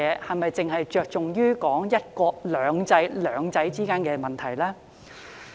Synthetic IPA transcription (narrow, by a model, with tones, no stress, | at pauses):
ɛː˨˧hɐ˨jmɐ˨jt͡sɪ˨ŋɦɐ˨jt͡ʃœː˨k̚t͡sʊ˨ŋjyː˥kɔː˨˥ŋjɐ˥t̚kɔː˧lœː˨˧ŋt͡sɐ˨˧˥jlœː˨˧ŋt͡sɐ˨˥jt͡siː˥kaː˥nkɛː˧mɐ˨nt̪ʰɐ˨˩jlaː˥